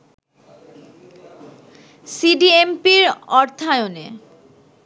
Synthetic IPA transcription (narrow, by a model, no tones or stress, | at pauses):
siɖiempiɾɔɾt̪ʰajone